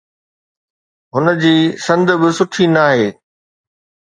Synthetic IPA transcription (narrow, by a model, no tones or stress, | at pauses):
ɦʊnə̆d͡ʑiːsɐ̃nd̪bɪsʊʈʰinaːɦeː